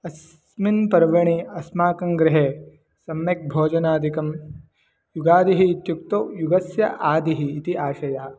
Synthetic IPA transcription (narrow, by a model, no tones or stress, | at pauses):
ɐs | minpɐɾʋɐɳ̃iɐsmaːkɐŋɡɾɪɦeː | sɐmːek̚bʱoːd͡ʒɐnaːd̪ʱikɐm | juɡaːd̪iɦiːt̪juk̚t̪oːjuɡɐsjɐ̰ʔaːd̪iɦiːt̪iʔaːʃɐjaː